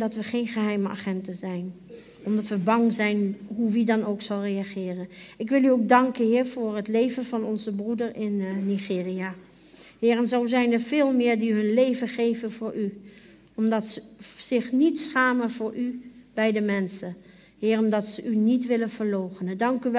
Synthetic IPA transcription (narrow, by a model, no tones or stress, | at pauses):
dɑtʋəχejnχəɦɛjməa̰ːχɛntəzɛjn | ɔmdɑtʋəbɑŋzɛjnɦuʋidɑnowksɑlˠrejaχɪːrənɪkʋɪlˠyowk̚dɑŋkənɦɪːɹvʊːɹɦətlejvənvɑnɔnzəbrudəɹɪnːiχɪːria | hɪːɹɛnzowzɛjnəɹvɪːlˠmɪːɹdiɦɵnlejvənχejvənvʊːɹʔy | ɔmdɑtsəz̥ɪχnitsχaːmənvʊːɹʔyb̥ɛjdəmɛnsə | hɪːrɔmdɑtsəʔynitʋɪlənv̥əɹlowχənədɑŋkyʋ